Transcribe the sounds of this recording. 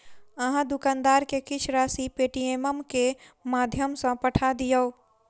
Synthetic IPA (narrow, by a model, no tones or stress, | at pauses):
əɦãd̪ʊkãːnd̪aːɾkekɪt͡ʃʰɾaːsipeːʈijeməmkemaːd̪ʱjəmsə̃pəʈʰad̪ijəo